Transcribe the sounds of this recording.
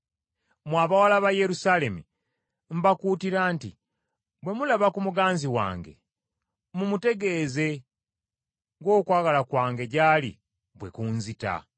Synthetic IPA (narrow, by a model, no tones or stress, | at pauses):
mwaːβawalaβaje̞ɾusaːle̞mḭ | m̩bakuːtiɾaːntḭ | bwe̞mulaβakumuɡaːnziwa̰ːŋɡe̞̰ | mumute̞ɡe̞ːze̞ | ŋɡo̞ːkwaːɡalakwaːŋɡe̞ɟaːlḭ | bwe̞kuːnzita̰